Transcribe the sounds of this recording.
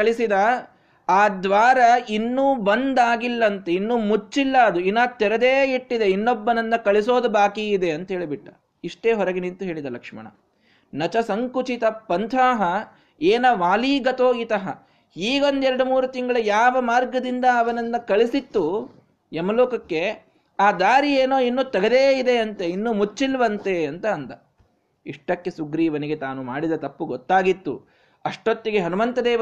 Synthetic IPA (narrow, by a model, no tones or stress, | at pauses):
kɐɭisid̪ɐ | aːd̪ʋaːɾɐinːuːbɐnd̪aːɡilːɐnt̪einːuːmut͡ʃːilːɐːd̪uinaːt̪ːɛɾɐd̪eːiʈːid̪e̞inːobːɐnɐnːɐkɐɭiso̞ːd̪ubaːkiːd̪e̞ɐnt̪ɐɦe̞ːɭibiʈːɐ̥ | iʂʈe̞ːɦɔɾɐɡenint̪uɦe̞ːɭid̪ɐlɐkʂmɐ̰ɳɐ̰ | nɐt͡ʃɐsɐŋkut͡ʃit̪ɐpːɐnt̪ʰaːɦɐ | eːnɐʋaːliːɡɐt̪oːit̪ɐɦɐ | iːɡɐond̪ɛɾɐɽumuːɾut̪iŋɡɐɭɐjaːʋɐmaːɾɡɐd̪ind̪ɐːʋɐnɐnːɐkɐɭisit̪ːu | ɛmɐloːkɐkːe̞ | aːd̪aːɾieːnoːinːut̪ɐɡɐd̪eːid̪e̞ɐnt̪einːumut͡ʃːilʋɐnt̪eɐnt̪ɐːnt̪ɐ | iʂʈɐkːesuɡɾiːʋɐniɡe̞t̪aːnumaːɽid̪ɐt̪ɐpːuɡɔt̪ːaːɡit̪ːṵ | ɐʂʈot̪ːiɡeɦɐnumɐnt̪ɐd̪ɛː